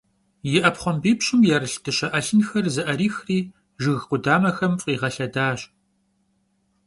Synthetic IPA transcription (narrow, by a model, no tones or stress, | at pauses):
jɪʔɐpχʷɔmbiːpɕʼɪmjɛɾɨɬdɨɕɐʔɐɬɨnxɐrzɨʔɐɾiːxriː | ʒɨɣqʷʊdaːmɐxɐmfʼiːʁɐɬɐdaːɕ